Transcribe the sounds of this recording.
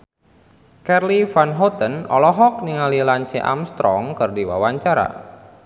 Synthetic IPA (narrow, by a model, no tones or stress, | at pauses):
kɛrlifanɦɔt̪ənɔ̰lɔɦɔk̚niŋalilaɲt͡ʃɛʔa̰mst̪ɾɔŋkɨrdiwa̰waɲt͡ʃaɾa̰